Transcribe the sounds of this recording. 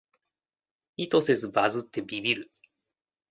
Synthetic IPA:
it̪o̞se̞zɨbazɨt̪ːe̞bʲibʲiɾɯ̟

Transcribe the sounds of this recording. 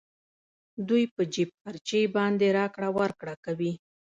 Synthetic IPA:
d̪ujpəd͡ʒib̚aɾt͡ʃejbɑnd̪eɾɑkɽawaɾkɽakawi

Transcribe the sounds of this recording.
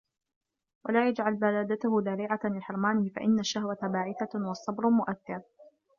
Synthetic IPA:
wʔalaːjad͡ʒʕalbalaːd̪at̪ʊhʊd̪aɾiːʕalɪħɪɾmaːnɪfa̰ʔɪnːaʃːahwat̪abaːʕɪθawɑsˤːɑbɾmʊʔakːɑɾ

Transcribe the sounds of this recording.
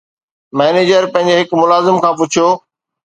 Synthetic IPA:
mɛːneːd͡ʑəɾpɐ̃ɦɪ̃ɲ̆d͡ʑeɦɪkmʊlaːzɪmkʰãːp̬ʊt͡ɕʰijoː

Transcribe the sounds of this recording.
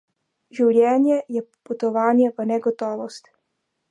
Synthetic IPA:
ʒiwlʲɛːnjɛjɛput̪ɔʋaːnjɛvənɛɡɔt̪ɔʋɔst̪

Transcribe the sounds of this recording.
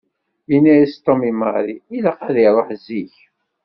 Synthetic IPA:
inæjist̪omimɑ̰ɾiilaqæðiɾˤoħziç

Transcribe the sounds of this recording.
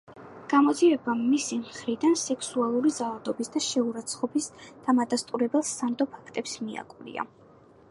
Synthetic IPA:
ɡ̥amɔd̪ziɛbaisimχɾid̪ansɛkʰsualˠuɾizalˠad̪ɔbisd̪aʃɛuɾat̪sʰχɔbisd̪̥amad̪ast̪ʼuɾɛbɛlˠsand̪ɔpʰakʰt̪ʼɛpsmia̰kʼulḭa̰

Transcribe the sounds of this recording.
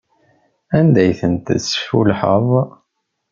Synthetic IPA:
ænd̪æjθənt̪əsfulħəðˤ

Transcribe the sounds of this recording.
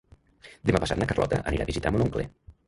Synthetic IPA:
d̪emapasa̰t̪nəkərlɔ̰t̪ə̰ʔəniɾaβizit̪amonoŋklḛ

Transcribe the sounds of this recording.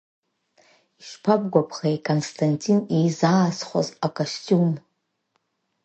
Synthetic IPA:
iʃʂpʰab̚ɡʷapʰχejkʰʼonstʰantʰʼinijzaːsχʷa̰zakʼostʰʲʼum

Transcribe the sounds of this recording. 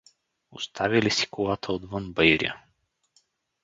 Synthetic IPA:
o̰st̪ʰavilisi̥kʊlˠat̪ʰəod̪vənbəjɾʲḭə̰

